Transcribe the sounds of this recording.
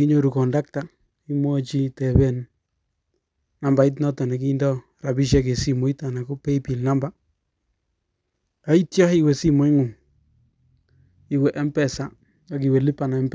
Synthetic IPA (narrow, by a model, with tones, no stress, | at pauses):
i˦ɲo˦ɾu˨kɔ˨nda˦k̚ta˨ | i˦mwɔ˦t͡ʃi˦tɛ˨βɛ˦˨n | na˨mba˨i˦t̬nɔ˦ta˨na˨k̬i˦ndɔ˦ | ɾa˨bi˦ʃ̬ɛ˦ke˨si˦mo˨i˦ta˨na˨ko˦pe˦i˦pi˨lna˦mba˨ | a˨˦i˦tjɔ˦hi˦˨we˨si˦mo˨i˦ŋʊ˨ | i˨wɛ˨ʔɛ˦mpɛ˨sa˨ | a˨k̬i˨wɛ˨li˦pa˨na˨ɛ˦mp